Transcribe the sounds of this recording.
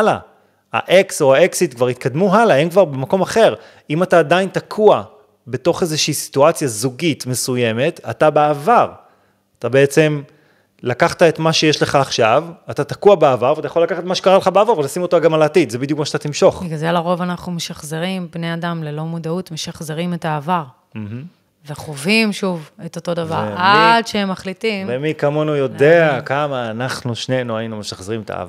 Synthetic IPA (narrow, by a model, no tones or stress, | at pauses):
ala̰ | a̰ʔekso̞aeksitkvaʁit̪̚kad̪muɦalahemkvaʁbe̞mako̞maχe̞ʁ | imataːdaintakʰua | be̞to̞χezeʃiːsi̥tuat͡sjazuɡitme̞suje̞me̞ta̰tabeavaʁ | at̪abeet͡se̞m | lakaχt̪ae̞tmaʃe̞jeʃle̞χaːχʃavatat̪akuabeavaʁvat̪ajaχolːakaχet̪maʃekaʁaleχabeavaʁvelasimot̪aɡamalaːt̪it̪zebidjukmaʃat̪at̪imʃo̞χbiɡadelaʁo̞vanaχnumeʃaχze̞ʁimbneadamle̞lo̞mudautme̞ʃaχze̞ʁime̞taːvaʁ | m̩ɦ̩ | ve̞χovimʃuve̞to̞to̞davaʁadʃeemːaχlitimvemikamonujo̞deakamaːnaχnuʃnenuajinume̞ʃaχzeʁimet̪a̰va